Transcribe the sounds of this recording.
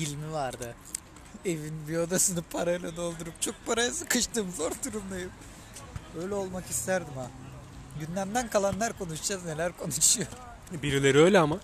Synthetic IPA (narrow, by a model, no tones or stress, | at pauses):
ilʲmivaɾd̪ɯ | e̞vinbio̞d̪asɯnɯpʰaɾajlˠad̪o̞lˠd̪uɾup̚t͡ʃʰo̞k̚pʰaɾajasɯkɯʃt̪ɯːmzo̞ɾt̪uɾumd̪ˠajɯm | ø̞jlʲɛo̞lˠmakist̪ʰæɾd̪ima | ɟynlʲæmd̪ænkʰalˠanlˠaɾkʰo̞nuʃd͡ʒazne̞lʲæɾkʰo̞nuʃujoɾ | biɾilʲe̞ɾiø̞jlʲɛama